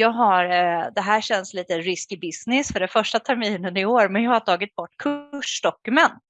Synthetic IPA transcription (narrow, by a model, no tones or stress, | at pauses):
jɑːɡɦaɾd̪ɛɦæːɾɕɛnːsliːt̪əɾɪskɪbɪsnɪsfœɖɛnfœʂʈat̪ʰæɾmiːnənɪoːɾmɛnjɑːhaʈʰɑːɡɪt̪̚bɔʈːkʰɵʂɖ̪ɔkɵmɛnt̪